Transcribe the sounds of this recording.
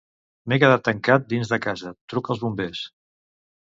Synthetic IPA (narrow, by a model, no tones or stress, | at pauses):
mekəðat̪ːəŋkat̪̚d̪inzðəkazət̪ɾukəlˠzβumbes